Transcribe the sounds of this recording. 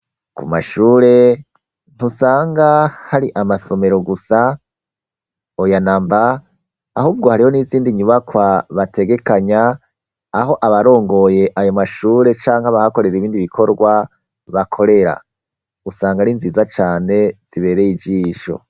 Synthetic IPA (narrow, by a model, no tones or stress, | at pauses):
kuma̰ʃuːɾe̞ | n̥usaːŋɡahaɾiʔamaso̞me̞ɾo̞ɡusa | ojanaːmbaː | huːb̚ɡo̞haɾiho̞niːziːndiɲuβakwaβate̞ɡe̞kaɲaː | ɦo̞ʔaβaɾo̞ːŋɡo̞je̞ʔajo̞maʃuːɾe̞t͡ʃaːŋhaβahako̞ɾe̞ɾiβiːndiβikʰo̞ɾɡwa | βakʰo̞ɾe̞ɾa̰ | usaːŋɡaɾinziːzat͡ʃaːne̞z̥iβe̞ːɾejid͡ʒiːʃo̰